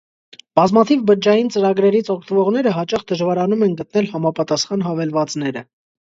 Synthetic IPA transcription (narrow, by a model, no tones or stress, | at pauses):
b̥ɑzmɑt̪ʰivbəɾd͡ʒɑjint͡səɾɑɡɾɛɾit͡sʰɔkʰt̪əvɔʁn̪ɛɾəɦɑt͡ʃɑχd̪əʒvɑɾɑnumɛnɡət̪nɛlhɑmɑpɑt̪ɑsχɑnɦɑvɛlvɑt͡snɛɾə